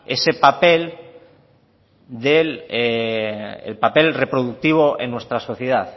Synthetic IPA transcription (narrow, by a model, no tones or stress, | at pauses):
e̞se̞pape̞l | d̪ele | ḛlpape̞lre̞pɾoð̞uk̚t̪iβ̞o̞ʔḛnːwe̞st̪ɾaso̞θjeð̞aθ